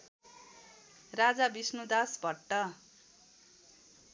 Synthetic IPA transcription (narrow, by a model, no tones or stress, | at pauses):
rad͡zabisnud̪asbʱʌʈːʌ